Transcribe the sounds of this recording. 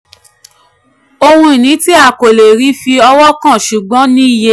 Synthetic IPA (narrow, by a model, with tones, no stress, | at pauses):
o˧hũ˧i˨nĩ˨˦ti˦a˦˨ko˨le˨ɾi˨˦fi˧ɔ˧wɔ˦kã˦˨ʃu˨ɡ͡bɔ̃˨˦nĩ˦i˦˨je˦